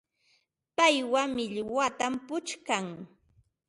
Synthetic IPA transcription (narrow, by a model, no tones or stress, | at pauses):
pajwamɪʎwat̪ampʊt͡ʃkaŋ